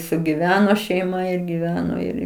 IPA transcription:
sʊɡʲɪˈʋʲæːnoː ʃʲɛɪˈmɐ ɪr ɡʲɪˈʋʲæːnoː ˈɪr

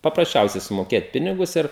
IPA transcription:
pɐprɐsʲˈt͡ʃʲɛʊsʲɛɪ sʊmoːˈkʲeːt ˈpʲɪnʲɪɡʊs ˈɪr

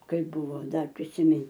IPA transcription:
ˈkɐɪp ˈbʊʋoː ˈdɐr pʲrʲɪsʲɪˈmʲɪn

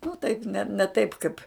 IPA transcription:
nʊ tɐɪp nʲɛ nʲɛ ˈtɐɪp ˈkɐɪp

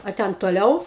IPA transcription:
ɐ ˈtʲɛn toːˈlʲɛʊ

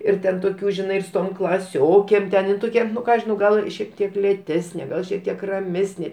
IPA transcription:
ɪr ˈtʲɛn toːˈkʲuː ʒʲɪˈnɐɪ ɪr sʊ ˈtoːm klˠɐˈsʲoːkʲeːm tʲɛn ɪn ˈtoːkʲɛ ˈnʊ ˈkɑː ɐʃ ʒʲɪˈnɐʊ ˈɡɐlˠ ʃʲiɛk ˈtʲiɛk lʲeːˈtʲæːsʲnʲeː ˈɡɐlˠ ʃʲiɛk ˈtʲiɛk rɐˈmʲæːsʲnʲeː

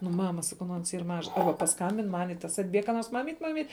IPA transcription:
nʊ ˈmɑːmɐ sɐˈkɐʊ nʊ ɐns iːr ˈmɑːʒɐs ˈɐrbɐ pɐsˈkɐmʲbʲɪn ˈmɐnʲ ɪ tɐs ɐdʲˈbʲiɛk kɐ ˈnoːrs ˈmɑːmʲiːt ˈmɑːmʲiːt

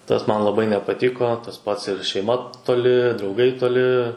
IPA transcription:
ˈtɐs ˈmɐn lˠɐˈbɐɪ nʲɛpɐˈtʲɪkoː tɐs ˈpɐts ɪr ʃʲɛɪˈmɐ toːˈlʲɪ drɐʊˈɡɐɪ toːˈlʲɪ

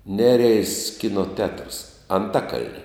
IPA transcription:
ˈnʲæːrʲɛɪs ˈkʲɪnoː tʲɛtrs ɐnˈtɑːkɐlʲnʲɪ

